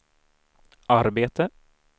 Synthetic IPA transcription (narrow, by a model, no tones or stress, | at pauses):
ʔaɾbeːt̪ə